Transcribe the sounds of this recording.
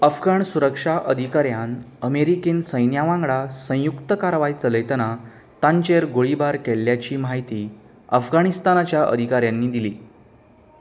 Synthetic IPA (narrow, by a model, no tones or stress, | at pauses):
əfɡaɳsuɾəkʂaʔəd̪ʱikaɾjan | əmeɾikiːnsə̃jnjaʋãŋɡɭasə̃jukt̪əkaɾʋait͡sələjt̪əna | t̪ãɲt͡ɕeɾɡoɭibaɾkeɭːjat͡ɕiːmaɦit̪iː | əfɡaɽist̪anat͡ɕjaʔə̰d̪ʱikaɾjãnːiːd̪iliː